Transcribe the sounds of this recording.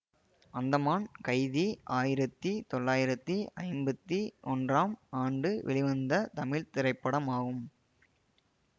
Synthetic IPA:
ɐnd̪ɐmaːnkɐɪðiʔaːjɪɾɐt̪ːit̪ɔɭːaːjɪɾɐt̪ːiʔɐɪmbɐt̪ːiɔndraːmaːɳɖɯʋʔɛ̰ɭɪʋɐnd̪ɐt̪ɐmɪɭt̪ɪɾɐɪpːɐɽɐmaːɣɯm

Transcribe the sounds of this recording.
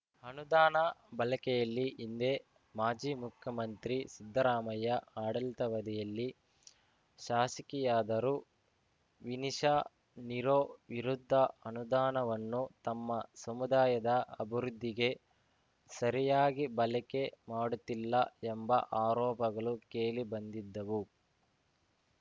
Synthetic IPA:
ɐnud̪aːnɐbɐlɛkɛjɐlːiʔind̪e̞ | maːd͡ʒiːmukʰjɐmɐnt̪ɾisid̪ʱːɐɾaːmɐjɐaːɽɐlt̪ɐʋɐd̪ɛjɐlːi | ʃaːsɐkijaːd̪ɐɾu | ʋiniʃa | niɾoːʋiɾud̪ʱːɐɐnud̪aːnɐʋɐnːut̪ɐmːɐsɐmud̪aːjɐd̪ɐɐbʱiɾud̪ʱːiɡe̞ | sɐɾijaːɡibɐlɛke̞maːɽut̪ilːɐɛmbɐʔaːɾɔːpɐɡɐɭukeːlibɐnd̪id̪ːɐʋu

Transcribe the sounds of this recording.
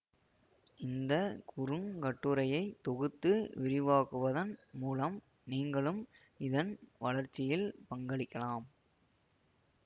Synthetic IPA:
ɪnd̪ɐkʊɾɯŋkɐʈːɯɾɐjɐɪt̪ːɔɣɯt̪ːɯʋɪɾɪʋaːɣɯʋɐðɐnmuːlɐm | niːŋɡɐɭɯm | ɪðɐnʋɐlɐɾt͡ʃːɪjɪlpɐŋɡɐɭɪkːɐlaːm

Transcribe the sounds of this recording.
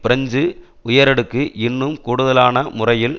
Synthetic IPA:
pɪɾɐɲd͡ʒɯ | ʊjɐɾɐɽɯkːɯʔɪnːɯmkuːɽɯðɐlaːnɐmʊrɐjɪl

